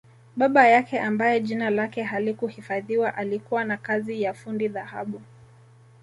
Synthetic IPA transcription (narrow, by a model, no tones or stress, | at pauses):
ɓaɓajakɛʔambajɛʄinalakɛɦalikuhifaðiwaʔalikuwanakazijafundiðahaɓu